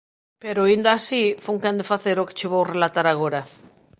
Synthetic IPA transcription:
peɾoind̪aːsifuŋkand̪efaθeɾoke̥t͡ʃeβowrelat̪aɾaɣoɾa

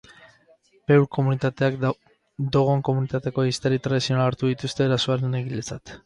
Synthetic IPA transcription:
pe̞wɾkomunit̪at̪e̞ak | d̪o̞ɣ̞o̞ŋko̞munit̪at̪e̞ko̞ist̪eɾit̪ɾaðisio̞naːɾt̪uðit̪ust̪e̞ːɾasoaɾe̞neɣilet͡sat̪

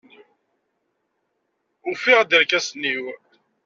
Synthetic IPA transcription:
ʊfɪʁd̪əɾkæsnːiw

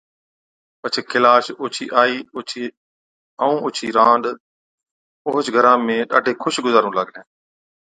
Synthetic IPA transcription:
pət͡ʃʰekʰɪlaːʃʊːt͡ʃʰḭːʔaːiːʊt͡ʃʰi | əũːʊt͡ʃʰiːɾãːnɗ̪ | ʊɦʊt͡ʃɡʱəɾãːmẽːɗa̰ːɖʱeːkʰʊʃɡʊzaːɾũːləɠlẽː

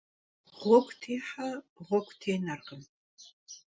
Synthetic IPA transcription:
ʁʷɔkʷtʰiːħaʁʷɔkʷtʰeːnɐrʁən

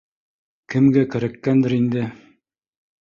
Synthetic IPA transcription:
kɘ̆mɡækɘ̆ɾækːænd̪ɘ̆ɾind̪ɘ

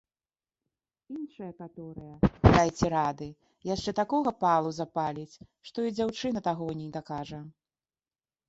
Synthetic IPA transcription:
inʂɨjɐkat̪ɔɾɨjɐd̪ajt͡sʲɛɾad̪ɨ | jaʂt͡ʂɛt̪akɔɣɐpalˠuzapalʲit͡sʲʂt̪ɔid͡zʲawt͡ʂɨnɐt̪aɣɔnʲid̪ɐkaʐɐ

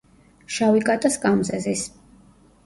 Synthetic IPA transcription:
ʃavikʼat̪ʼaskʼamzɛzis

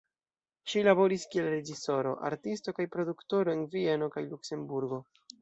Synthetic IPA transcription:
ʃilabo̞ɾiskie̞lɾe̞d͡ʒiso̞ɾo̞̰ʔa̰ɾtisto̞kajpɾo̞dukto̞ɾo̞envie̞no̞kajlukse̞mbuɾɡo̞

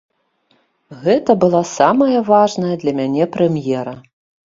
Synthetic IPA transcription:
ɣɛt̪ɐbɨlˠasamɐjɐvaʐnɐjɐd̪lʲɐmʲanʲɛpɾɛmjɛɾɐ

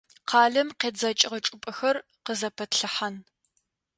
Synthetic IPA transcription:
qʰɑːɮɐmqeːd͡zɐt͡ʃʼɪʁɐt͡ʃʼʊpʼɐxɐr | qəzɐpʰɐtɬɨħan

